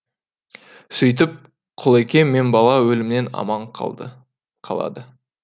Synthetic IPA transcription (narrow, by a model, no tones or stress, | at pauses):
sʏjt̪̬ɪp̚ | qʰʊlˠekʲe̞nːe̞nbɑlˠɑwɵlɪmne̞nɑ̰mɑɴq̪ | qʰɑ̰lˠɑ̰d̪ə